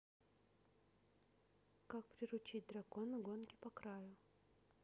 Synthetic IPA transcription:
kak̚pɾʲɪɾʊt͡ɕit̚ʲd̪ɾɐko̞nɨɡo̞nkʲɪ̥pɐkɾajʊ

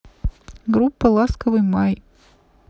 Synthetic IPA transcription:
ɡɾupːəlˠaskəvɨjmaj

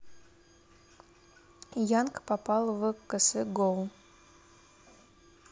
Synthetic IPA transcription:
jankpapɑlˠvɨkəsɨɡolˠ

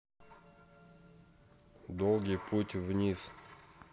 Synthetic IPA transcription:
d̪olˠɡʲijpʰutʲvnʲis

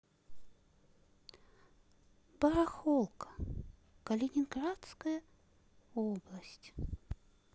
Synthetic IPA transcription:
bɐɾɐxolˠkə̥ | kəlʲɪnʲɪnɡɾat̪skəjə | oblˠəsʲtʲ

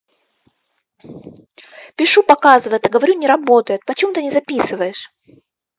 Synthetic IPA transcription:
pʲɪʂupɐkazɨvəjɪt̪ɐɡəvɐɾʲunʲɪɾɐbo̞t̪əjɪt̪̚pət͡ɕɪmut̪ɨnʲɪzɐpʲisɨvəjɪʂ

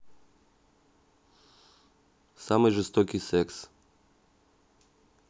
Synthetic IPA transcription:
samojʒɛst̪okiseks

